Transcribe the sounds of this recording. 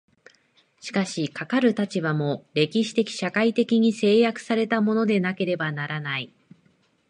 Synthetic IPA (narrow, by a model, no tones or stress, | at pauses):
ɕi̥kaɕikakaɾɯ̟t̪at͡ɕiβamo̞ɾe̞kʲiɕi̥t̪e̞kʲi̥ɕakait̪e̞kʲiɲ̟ise̞ːjakɯ̟̥saɾe̞t̪amo̞no̞d̪e̞nake̞ɾe̞banaɾanai